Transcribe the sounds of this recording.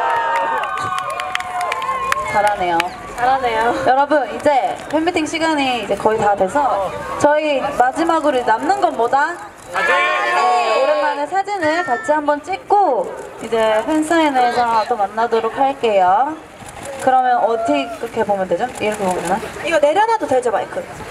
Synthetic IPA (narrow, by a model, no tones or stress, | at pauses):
t͡ɕaɾane̞jo | t͡ɕaɾanejojʌɾʌbɯnid͡ʑe̞pʰemitʰiŋɕʰiɡaɲiːd͡ʑe̞kʌitadwe̞sʰʌt͡ɕʌimad͡ʑimaɡɯɾoid͡ʑnamnɯnɡʌnmoda | ad͡ʑ | uɾemanesʰad͡ʑinɯɭkat͡ɕʰiɦambʌnt͡ɕ͈ik̚k͈oid͡ʑe̞ɸʰensʰaenesʰʌt͈omanːadoɾok̚haɭk͈e̞jo | kɯɾʌmjʌnʌtʰik͈ːɯɾʌkʰebomjʌndwe̞d͡ʑoiɾʌkʰebomʌnaiɡʌne̞ɾjʌnɦadoted͡ʑoma̰ikʰɯ